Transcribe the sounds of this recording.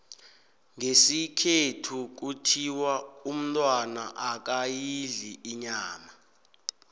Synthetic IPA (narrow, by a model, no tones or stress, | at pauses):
ŋesikʰetʰuk̬utʰiwaum̩tʼwana̰ʔak̬ajiɮiʔiɲaːma